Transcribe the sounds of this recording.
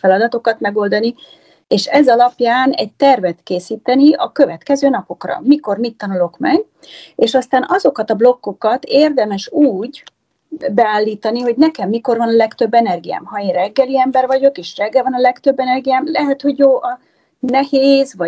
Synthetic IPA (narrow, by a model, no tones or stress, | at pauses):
fɛlɒd̪ɒt̪o̞kɒt̪mɛɡo̞ld̪ɒni | eːʃɛzɒlɒpjaːnɛɟ̚t̪ɛrvɛt̪keːsiːt̪ɛniɒkø̞vɛt̪kɛzøːnɒpo̞krɒ̰miko̞rmit̪ːɒnulo̞kmɛɡ | eːʃɒst̪aːnʔɒzo̞kɒt̪ɒblo̞kːo̞kɒt̪eːrd̪ɛmɛʃuːɟ | bɛaːlːiːt̪ɒniho̞ɟnɛkɛmːiko̞rvɒnɒlɛkt̪ø̞bːɛnɛrɡija̰ːmɦɒeːnrɛɡːɛliɛmbɛrvɒɟo̞keːʃrɛɡːɛlvɒnɒlɛkt̪ø̞bːɛnɛrɡijaːmlɛɦɛt̪ho̞ɟjoːʔɒ | nɛheːzvɒ